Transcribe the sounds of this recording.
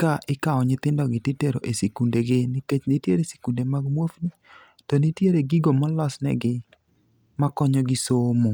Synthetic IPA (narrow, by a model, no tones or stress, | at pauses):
kaʔɪkaɔɲɪt̪ɪndɔɡɪtɪteɾoʔesekundeɡɪnɪket͡ʃnɪtjeɾese̥kundemaɡmwofni | tɔnɪtjeɾeɡɪɡomɔlɔsnɛ̰ɡɪ | makɔɲɔɡɪsomo